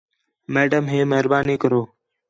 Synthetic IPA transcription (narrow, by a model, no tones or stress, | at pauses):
meːɖəmɦeːmeɦɾbaːniːkəɾoː